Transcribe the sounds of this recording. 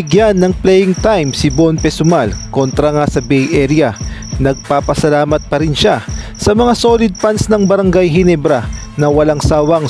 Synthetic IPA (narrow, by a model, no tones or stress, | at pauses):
ɪɡjanːɐŋplɛjɪŋt̪ajmsɪbonpɛsʊmalko̞nt̪ɾɐŋasɐbɛjʔɛɾjɐnɐɡ̚paːpɐsɐlaːmɐt̪̚pɐɾɪnʃasɐmɐŋaso̞ːlɪd̪̚pansnɐŋbɐɾɐŋɡajɦɪnɛbɾɐ | nɐwɐlaŋsaːwɐŋ